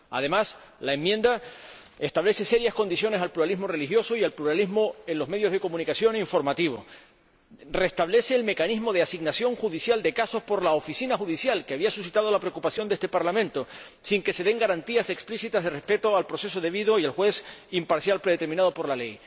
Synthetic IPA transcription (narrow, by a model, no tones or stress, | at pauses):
a̰ðe̞mas | laemːjẽ̞nd̪a | e̞st̪aβle̞se̞se̞ɾjasko̞nd̪isjo̞ne̞salpluɾalizmo̞re̞lixjo̞soialpluɾalizmo̞e̞nlo̞zme̞ðjoð̞e̞ko̞mũnikasjo̞niɱfo̞ɾmat̪iβo̞̰ | re̞st̪aβle̞se̞ːlme̞kanizmo̞ð̞easiɡnasjo̞ŋxuðisjald̪e̞kaso̞spo̞ɾlaofisinaxuðisjalkeaβiasusit̪að̞o̞lapɾe̞okupasjo̞nd̪e̞st̪e̞paɾlamẽnt̪o̞ | siŋke̞se̞ðe̞ŋɡaɾant̪iase̞ksplisit̪azðe̞re̞spe̞t̪oalpɾo̞se̞soðe̞βiðoialxwe̞simpaɾsjalpɾeðet̪eɾmĩnað̞o̞po̞ɾlale̞j